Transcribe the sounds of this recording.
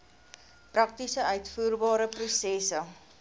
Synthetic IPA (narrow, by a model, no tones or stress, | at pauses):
prɐk̚tisəœɥtfuːrbɑːɾəprusɛsə